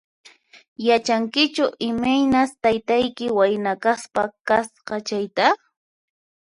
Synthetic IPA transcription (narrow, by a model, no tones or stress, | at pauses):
jat͡ʃaŋkɪt͡ʃʊʔɪmajnast̪ajt̪ajkɪwajnakaspakasqɑt͡ʃajt̪a